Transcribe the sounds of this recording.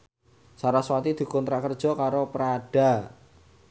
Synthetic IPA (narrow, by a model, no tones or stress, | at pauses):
saɾaswat̪id̪̥i̤kɔnt̪ɾaʔkərd̥ʒ̥ɔ̤kaɾopəɾaɖ̥a̤